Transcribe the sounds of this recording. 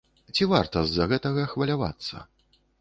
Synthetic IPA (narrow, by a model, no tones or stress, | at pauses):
t͡sʲivart̪ɐzːɐɣɛt̪ɐɣɐxvɐlʲava̰t̪sːɐ̰